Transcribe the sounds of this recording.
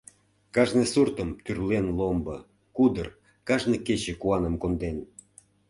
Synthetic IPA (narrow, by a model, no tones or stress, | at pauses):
kɑʒnesurt̪əmt̪yrlenlombɤ | kud̪ər | kɑʒneket͡ɕĕkuɑnəmkond̪en